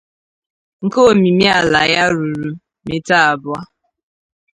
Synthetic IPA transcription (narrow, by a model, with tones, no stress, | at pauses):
ŋ̩˨ko˦˨mi˨mi˦a˨la˨ja˦ɾu˨ɾu˨ | me˦ta˦a˨bʊ˦a˦